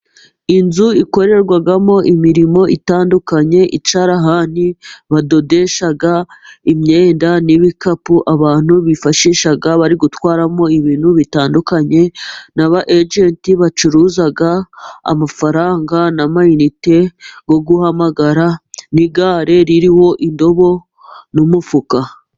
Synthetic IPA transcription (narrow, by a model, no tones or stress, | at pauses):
inzuiko̞ɾe̞ɾɡwaɡamo̞ʔimiɾimo̞ʔitaːndukaɲe̞ʔit͡ʃaɾaɦan̥iβado̞de̞ʃaɡaimɲeːndaniβikapuʔaβaːn̥uβifaʃiʃaɡaβaɾiɡutwaːɾamo̞iβiːn̥huβitaːndukaɲe̞naβaʔed͡ʒentiβat͡ʃuɾuːzaɡa̰ːmafaɾaːŋɡanamainite̞ɡo̞ɡuhamaɡaɾaniɡaːɾe̞ɾiɾiho̞ʔindo̞βo̞ | numufuka